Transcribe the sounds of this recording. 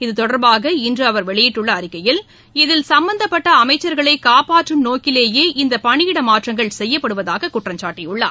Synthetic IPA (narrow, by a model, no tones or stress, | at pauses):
ɪðɯt̪ɔɽɐɾbaːɣɐɪndrɯɐʋɐɾʋɛɭɐjɪʈːɯɭːɐːɾɪkːɐjɪl | ɪðɪlsɐmbɐnd̪ɐpːɐʈːɐɐmɐɪt͡ʃːɐɾɣɐɭɐɪkaːpaːʈrɯnoːkɪleːjeːʔɪnd̪ɐpɐɳɪjɪɽɐmaːʈrɐŋɡɐɭsɛjːɐpːɐɽɯʋɐðaːɣɐkʊʈrɐmt͡ʃaːʈːɪjʊɭːa̰ː